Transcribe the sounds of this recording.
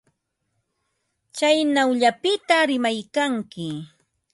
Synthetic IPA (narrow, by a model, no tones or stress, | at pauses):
t͡ʃajnawʎapɪt̪aɾɪmajkaŋkɪ